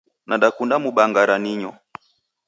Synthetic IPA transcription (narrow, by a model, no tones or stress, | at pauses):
naɗakundamuɓaŋɡaɾaniɲɔ